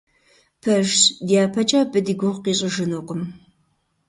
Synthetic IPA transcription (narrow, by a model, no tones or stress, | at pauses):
pʰɐʒdijaːpʰɐt͡ʃʼaːbɨdiɡʷʊʁqiːɕʼəʒɨnoːqʷʼʊm